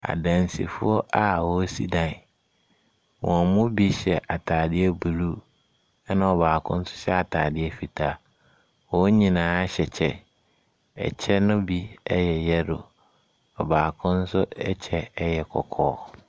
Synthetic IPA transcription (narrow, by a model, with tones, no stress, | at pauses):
a̰˨dã˨n˨sḭ˨fʊ˦ɔ˦ʔa˨wɔ˦si˦dã˨n˨ | wɔ̃˨mʊ̃˦bi˦ɕɛ˨ʔa˨tʰaː˨dɪ˦ɛ˦bu˨ɾu˦ | ɛ˦nã˨ɔ˨baː˨kʰʊ̃˦n̩˦sʊ̥˦ɕɛ˦a˨tʰaː˨dɪ˦ɛ˦fi˨tʰa˦ | wɔ˦ɲĩ˨nãː˨˦ɕɛ˨t͡ɕʰɛ˦ | ɛ̰˨t͡ɕʰɛ˦nʊ̃˦bi˦ɛ˦jɛ˨jɛ˦dʊ˨ | ɔ˨baː˨kʰʊ̃˦n̩˦sʊ˦ɛ˦t͡ɕʰɛ˦jɛ˨kʰɔ̰˨kʰɔ̰ː˦